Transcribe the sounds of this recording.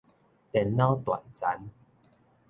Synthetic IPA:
t̪ɛ˨nːa˦˥wt̪wa̰˨nt͡sa˨˦n

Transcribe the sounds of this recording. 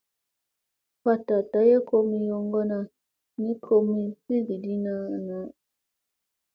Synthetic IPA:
fa˦ta˨ta˨je˦ko˦mi˦jɔ˦ŋɡɔ˦na˨ | ni˦kʰo˦mi˦si˦ɡi˨di˦na˦na˨

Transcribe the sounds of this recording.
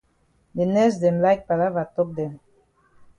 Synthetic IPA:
be˨nɛ˦z̬d̪e˨mlajk̚pa˨lavat̪ok̚d̪e˨m

